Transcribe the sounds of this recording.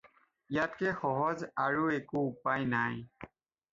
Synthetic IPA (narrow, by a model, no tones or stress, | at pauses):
jatkɛxɔɦɔzaɹuekuːpajnaj